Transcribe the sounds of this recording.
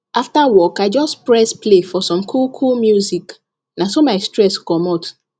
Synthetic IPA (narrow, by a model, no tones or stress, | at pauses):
aftawɔkaɪd͡ʒɔspɹɛsplefɔsɔ̃mkʰulkʰulmjuzik | nasomaɪstɹɛskɔmɔt